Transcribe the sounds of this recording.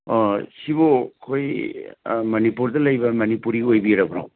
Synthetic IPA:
sibokʰoj | mɐnipuɾdɐlɐjbɐmɐnipuɾiojbiɾɐbɾa̰w

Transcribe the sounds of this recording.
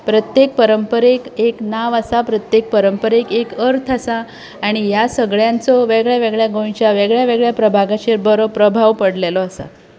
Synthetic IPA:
pɾət̪jek̚pəɾəmpəɾekeknaʋasapɾət̪jek̚pəɾəmpəɾekekəɾt̪ʰəsa | aɽ̃ijasəɡɭjãnt͡sɔʋeɡɭjaʋeɡɭjaɡojt͡ɕjaʋeɡɭjaʋeɡɭjapɾəbʱaɡat͡ɕeɾbəɾopɾəbʱaʋpəɽlelɔəsa̰

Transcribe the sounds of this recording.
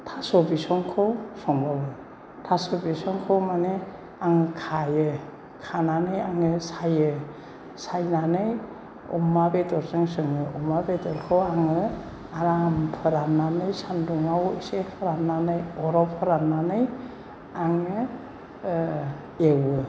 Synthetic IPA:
tʰasɔbisɔŋkʰɯwsɔŋbawɯ | tʰasobisɔŋkʰɯwmane | aŋɯkʰajɯ | kʰananɯjaŋɯsajɯ | sajnanɯj | ɔ̰mabedɔɾsɯŋsɯŋɯɔmabedɔɾkʰɯwaŋɯ | aɾampʰɯɾananɯjsanduŋawisepʰɯɾanːanɯjɔɾawpʰɯɾanːanɯj | aŋɯ | ewɯ

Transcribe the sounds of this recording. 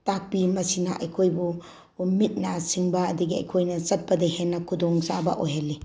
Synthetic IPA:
tak̚bimɐsinaʔɐjkʰojbu | mit̚nasiŋbɐːdiɡiɐ̰jkʰojnɐsɐt̚bɐdihenːɐkʰudoŋsabɐʔojɦalːi

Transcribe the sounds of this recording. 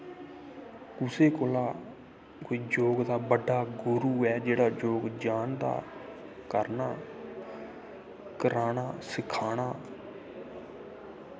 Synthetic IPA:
kʊseːkoːlaː | koːiːd͡ʒoːɡd̪aːbəɖːaːɡʊɾuːɛːd͡ʒeːɽaːd͡ʒoːɡd͡ʒaːnd̪a̰ː | kəɾnaː | kəɾaːɽaːsɪkʰaːɽ̃aː

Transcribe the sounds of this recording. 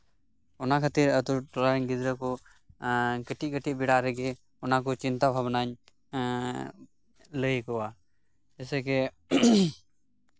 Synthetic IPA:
ɔnakʰat̪iɾət̪uɾʈɔlaɲɡid̪ɾəkɔ | kəʈikəʈibiɽaɾɛɡɛ | ɔnak̬ɔt͡ʃint̪abʱabnaɲ | ləjkɔwa | d͡ʒɛsɛkɛ

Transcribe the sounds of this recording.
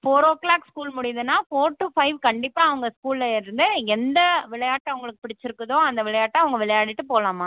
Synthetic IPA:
foːɾoːkɭaːkskuːlmʊɽɪjɐðɯnːaːfoːɾʈːufɐɪʋkɐɳɖɪpːaːɐʋɐŋɡɐskuːllɐɪɾɯnd̪ɯɛnd̪ɐʋɪɭɐjaːʈːɐɐʋɐŋɡɐɭɯkːɯ̥pɪɽɪt͡ʃːɪɾɯkːɯðõːɐnd̪ɐʋɪɭɐjaːʈːɐɐʋɐŋɡɐʋɪɭɐjaːɽɪʈːɯpoːlaːmaː

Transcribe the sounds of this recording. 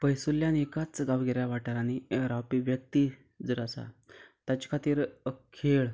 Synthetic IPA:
pəjsuljanekat͡sɡaʋɡeɾjaʋaʈaɾaɽ̃iɾawpiʋjək̚t̪iː | d͡zəɾasa̰t̪jat͡ɕkʰat̪iːɾəkʰːeɭ

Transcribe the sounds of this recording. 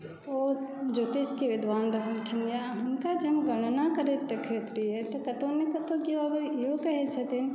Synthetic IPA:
od͡ʒot̪eskeʋɪd̪ʱʋanɾəɦəlkʰinjaɦəmkad͡ʒeɦmeɡəɽ̃nakəɾet̪ːekʰɾet̪ɾijet̪ɔkət̪onekət̪okioəɡəɾiokəɦɛt̪t͡ʃʰət̪in

